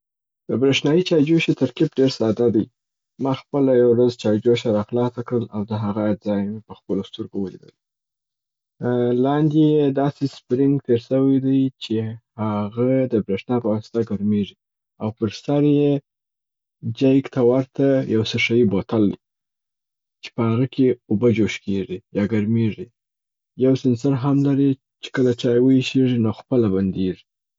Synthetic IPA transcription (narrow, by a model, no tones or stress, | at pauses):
d̪̥əbɾeʃnɑjit͡ʃɑjd͡ʒoʃet̪əɾkɪpɖeɾsɑd̪ad̪aj | mɑxpəlajawɾazt͡ʃɑjd͡ʒoʃaɾɑxlɑsakɽəlawd̪əɦaɣazɑjmepəxpəlost̪əɾɡowəlḭd̪ə̰l | lɑnd̪ejed̪ɑsespɾɪŋɡt̪eɾsəwajd̪ajt͡ʃehaɣad̪əbɾeʂnɑpəwɑsɪ̥t̪aɡaɾmeʐi | awpəɾsaɾje | d͡ʒajkt̪ʰawaɾt̪ajawsəʂajibot̪ald̪ḭ | t͡ʃe̥pəhaɣəkʰeobəd͡ʒoʃkeʐijɑɡaɾmeʐi | jawsɪns̬aɾɦamlaɾi | t͡ʃe̥kəlat͡ʃɑjwəiʃeʐinoxpəlaband̪eʐi